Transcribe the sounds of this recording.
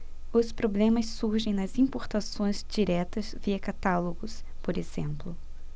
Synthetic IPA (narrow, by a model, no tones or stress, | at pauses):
ʊspɾoblẽmɐsːuɾʒẽj̃nɐzĩmpoɾt̪asõj̃zd͡ʒiɾɛt̪ɐzviɐkat̪aloɡʊspoɾezẽmplʊ